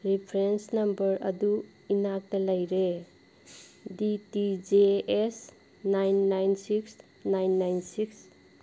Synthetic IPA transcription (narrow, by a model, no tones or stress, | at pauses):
ɾipʰɾensnɐmbɐɾɐ̰du | inak̚tɐlɐjɾe | ditid͡ʒeːs | najnːajnsiks | najnːajnsiks